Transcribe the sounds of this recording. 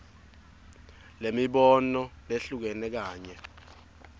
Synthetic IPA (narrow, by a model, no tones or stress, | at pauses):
lemiɓɔnɔleɬuk̬ɛnɛk̬aːɲɛ